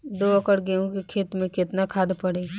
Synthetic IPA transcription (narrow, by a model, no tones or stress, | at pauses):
d̪oːɐkəɽɡeõkekʰeːt̪mẽkɪt̪nakʰaːd̪pɐɽeː